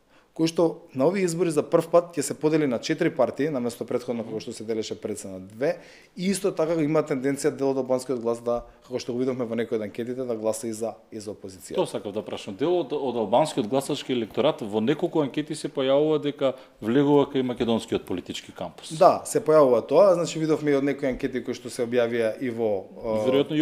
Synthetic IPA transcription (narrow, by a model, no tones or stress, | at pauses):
kojʃt̪ɔnaoviɛizboɾizapr̩fpat̪cɛsɛpod̪ɛlinat͡ʃɛt̪ɾipaɾt̪iːnamɛst̪ɔpɾɛt̪xod̪nokakoʃt̪ɔsɛd̪ɛlɛʃɛpɾɛt̪sɛnad̪vɛ | iist̪ɔt̪akaimat̪ːɛnd̪ɛnt̪sijad̪ɛlˠod̪alˠbanskiod̪̚ɡlˠasd̪akakoʃt̪oɡovid̪ofmɛvɔnɛkojod̪aŋkʲɛt̪it̪ɛd̪aɡlˠasaizaizaopozit̪sijat̪osakavd̪apɾaʃamd̪ɛlˠod̪od̪alˠbanskiod̪̚ɡlˠasat͡ʃkiɛlɛk̚t̪ɔɾat̪vonɛkolˠkuaŋkʲɛt̪isɛpojavuvad̪ɛka | vlɛɡuvakajmakʲɛd̪onskiot̪̚polit̪it͡ʃkikampu̥sd̪asɛpɔjavuvat̪oaznat͡ʃivid̪ofmɛiod̪nɛkoiaŋkʲɛt̪ikojʃt̪ɔsɛobjavijaʔivɔvɛɾoat̪nɔ